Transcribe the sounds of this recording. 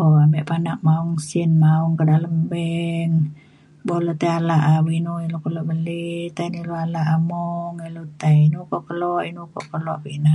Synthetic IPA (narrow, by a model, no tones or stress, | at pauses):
oambɛʔpanaʔ̚mauŋsinmauŋkədaləmbɛn | bolot̪ealaʔawinuilokəloʔbəlit̪ainiloalaʔamɔŋilut̪ainukɔʔkəlɔinukɔ̰ʔkəloapina